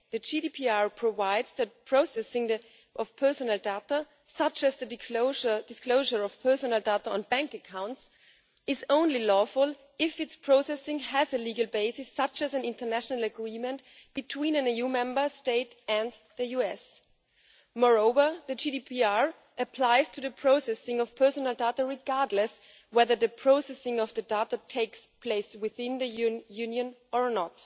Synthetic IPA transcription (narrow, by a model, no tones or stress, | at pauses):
ðɨd͡ʒidipʰiɑɹpʰɹ̥ovaɪdz̥ðɨt̚pʰɹ̥oʊsɛsɪ̃ŋ | ʔʌv̥pʰɜ˞sənl̩ˠdetə | sʌt͡ʃɨzðɨdədɨskloʊʒə˞ʌv̥pʰɜ˞sənl̩ˠdatəə̃nbæ̃ŋkɨkʰãʊ̃nts | ɪzõʊ̃nlilɔfʊlˠ | ɪfɨtspʰɹ̥oʊsɛsɪ̃ŋɨzɨliɡəl̩ˠbeɪsɨsʌt͡ʃɨzɨ̃nɪ̃ntə˞næʃnəl̩ˠɨɡɹĩmɨ̃ntb̥ɨtʰw̥ĩnɨ̃nijumɛ̃mbə˞steɪtɨ̃nðɨjuɛs | mɔɹoʊvə˞ðɨd͡ʒidipʰiɑɹ | ʔɨpʰl̥aɪz̥tʰɨðɨpʰɹ̥oʊsɛsɪ̃ŋʌv̥pʰɜ˞sənəl̩ˠdatəɹɪɡɑɹdˡləs | wɛðə˞ðɨpʰɹ̥oʊsɛsɪ̃ŋʌvðɨdatətʰeɪkspʰl̥eɪswɪθɪ̃nðɨjnjʉ̃njɨ̃nə˞nət